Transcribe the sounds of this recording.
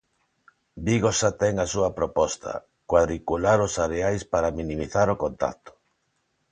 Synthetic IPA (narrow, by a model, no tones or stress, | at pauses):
biɣosat̪ɛŋasuɐpɾopɔst̪ʰa̰ | kwaðɾikulaɾosaɾeajspaɾaminĩmiθaɾokont̪a̰t̪ʊ̥